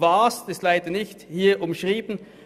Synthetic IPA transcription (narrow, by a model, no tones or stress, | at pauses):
vaːsd̥ɪslaɪdənɪçthiːɐʔʊmʃʁiːbn̩